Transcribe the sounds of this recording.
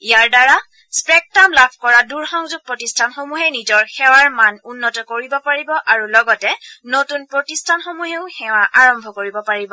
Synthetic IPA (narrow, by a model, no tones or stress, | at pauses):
ijaɹdaɹa | spɹɛk̚tamlabʰʱkɔɹaduɹxɔŋzuɡ̚pɹɔtistʰanxomuɦɛnizɔɹxɛwaɹmanunːɔtɔkoɹibɔpaɹibɔʔaɹulɔɡɔtɛnotunpɹotistʰanxomuɦeʊxɛwaʔaɹɔmbʱɔkoɹibɔpaɹibɔ